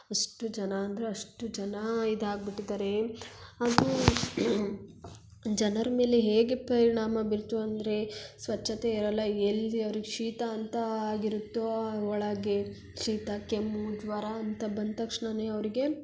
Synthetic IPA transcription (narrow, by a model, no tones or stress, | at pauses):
ɐʂʈud͡ʒɐnaːnd̪ɐɾeɐʂʈud͡ʒɐnɐid̪aːɡ̚biʈːid̪aːɾe̞ɐd̪u | d͡ʒɐnɐɾɐme̞ːleɦeːɡepɐɾiɳaːmɐbiɾt̪uɐnd̪ɐɾe̞sʋɐt͡ʃːɐt̪eiɾɐlːɐelːiɐʋɾiɡeʂiːt̪aːnt̪ɐaːɡiɾut̪ːoɔɭɐɡe | ʂiːt̪akemud͡ʒʋaɾaɐnt̪ɐbɐnd̪t̪ɐkʂɳɐneɐʋɾiɡe̞